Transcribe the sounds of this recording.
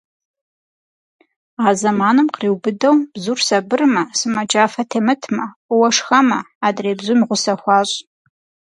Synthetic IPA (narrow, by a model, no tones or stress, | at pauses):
aːzɐmaːnɨmqriːwbɨdɐwb̥zuːrsɐbɨrmɐsɨmɐd͡ʒʼaːfɐtʰeːmɨtʰmɐwɐʂxɐmɐ | adreːbzʊmiʁʷʊsɐxʷɑːɕʼ